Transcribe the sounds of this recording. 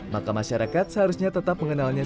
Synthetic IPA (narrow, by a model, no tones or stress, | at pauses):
makamaʃaɾakat̪̚səɦaɾusɲat̪ət̪ap̚məŋənalɲa